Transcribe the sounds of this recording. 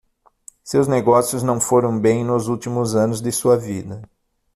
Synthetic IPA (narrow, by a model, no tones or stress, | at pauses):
sewzneɡɔsjʊznɐ̃w̃foɾɐ̃w̃bẽj̃nʊzuwt̪imʊzɐ̃nʊzd̪ɪsuɐvid̪ɐ